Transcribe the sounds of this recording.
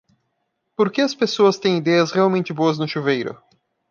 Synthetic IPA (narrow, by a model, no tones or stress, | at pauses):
poɾkeɐspesoɐst̪ẽj̃id̪ɛjɐsʁeawmẽnt͡ʃɪboɐznʊʃovejɾʊ̰